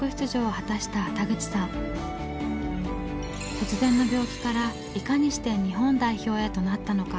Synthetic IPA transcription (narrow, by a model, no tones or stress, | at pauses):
ɯ̟çʲi̥t̪ɨʑo̞ːhat̪aɕi̥t̪at̪aɡɯ̟t͡ɕi̥sãŋ̃ | t̪o̞t͡sɨzẽnːo̞bʲo̞ːkʲi̥kaɾa | ikaɲ̟iɕi̥t̪e̞ɲ̟iɦõ̞nd̪aiço̞ːe̞ːt̪o̞nat̪ːano̞ka